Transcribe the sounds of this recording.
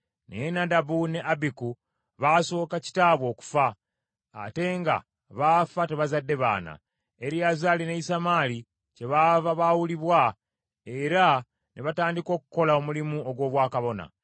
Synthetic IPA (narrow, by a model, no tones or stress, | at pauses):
nḛenadabune̞ʔabiku | βaso̞ːkaci̥taːβwo̞ːku̥fa̰ː | te̞ŋɡa̰ | βafate̞βazadːe̞βa̰ːna̰ | eɾiazalineisamali | ce̞βavaβawuliβwa | e̞ɾa | nʔeβataːndiko̞ku̥ko̞laomulimuo̞ɡwo̞ːβwaːkaβo̞na̰